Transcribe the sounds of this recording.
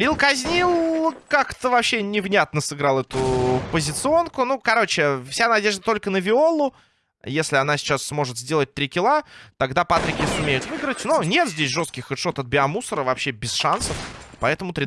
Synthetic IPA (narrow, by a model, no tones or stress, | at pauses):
ɾʲilˠkɐzʲnʲilˠkakt̪əvɐpɕːenʲɪvnʲat̪̚nəsɨɡɾalˠɛt̪ʊpəzʲɪt̪sɨo̞nkʊnukɐɾo̞t͡ɕɪfsʲanɐdʲe̞ʐd̪ət̪o̞lʲkənəvʲɪo̞lˠʊ | jesʲlʲɪɐnasʲɪ̥t͡ɕasːmo̞ʐɨt̪zʲdʲe̞lˠət̚ʲt̪ɾʲɪkʲɪlˠat̪ɐɡd̪apat̪ɾʲɪkʲɪsʊmʲejʊt̪vɨɡɾətʲnonʲe̞t̪zʲdʲesʲʐost̪kʲɪxʊʂot̪ɐt̪̚bʲɪɐmusəɾəvɐpɕe̞bʲɪsʂansəfpɐɛt̪əmʊt̪ɾʲɪ